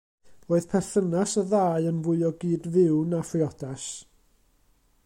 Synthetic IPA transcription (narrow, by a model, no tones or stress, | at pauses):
oːɨð̥pʰɛθənasəðaːɨənvʊɨɔɡiːdvɪwnafrɪɔdas